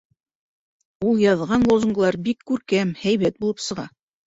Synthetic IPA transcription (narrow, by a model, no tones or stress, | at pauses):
ulˠjɑðʁɑnlˠozuŋɡlˠɑɾbikːʉɾkæmhæjβæt̪̚bulˠɤpsɤ̆ʁɑ